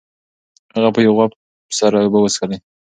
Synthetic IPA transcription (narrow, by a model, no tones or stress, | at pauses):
haɣapəjawɣap | saɾabawəskalaj